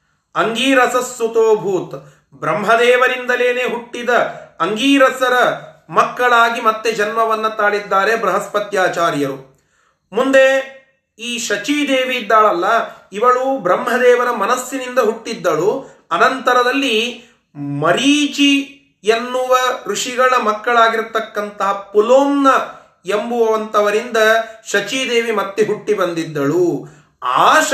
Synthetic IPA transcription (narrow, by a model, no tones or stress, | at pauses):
ɐŋɡiːɾɐsɐsːut̪oːbʱuːt̪ | bɾɐmɦɐd̪ɛːʋɐɾind̪ɐle̞ːneːɦuʈːid̪ɐːŋɡiːɾɐsɐɾɐmɐkːɐɭaːɡimɐt̪ːed͡ʒɐnmɐʋɐnːɐt̪aːɽid̪ːaːɾebɾɐɦɐspɐt̪jaːt͡ʃaːɾjɐɾu | mund̪e | iːʃɐt͡ʃiːd̪eːʋid̪ːaːɭɐlːɐiʋɐɭubɾɐmɦɐd̪ɛːʋɐɾɐmɐnɐsjinind̪ɐɦuʈːid̪ːɐɭu | ɐnɐnt̪ɐɾɐd̪ɐlːi | mɐɾiːt͡ʃi | enːuʋɐɾuʂiɡɐɭɐmɐkːɐɭaːɡiɾt̪ːɐkːɐnt̪ɐɦɐpuloːmnɐ | embuʋɐʋɐnt̪ɐʋɐɾind̪ɐʃɐt͡ʃiːd̪eːʋimɐt̪ːeɦuʈːibɐnd̪id̪ːɐɭu | a̰ːʃ